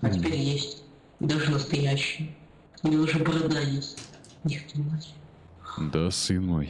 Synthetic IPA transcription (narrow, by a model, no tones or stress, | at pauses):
ɐtʲɪpʲeɾʲjesʲtʲtʲ | d̪aʐɨnəst̪ɐjæɕːɪjə | ɪnʲɛʊʐɛbəɾɐd̪ajesʲtʲ | nʲɪxt̪ʲinat͡ɕʲ | d̪asɨnmo̰j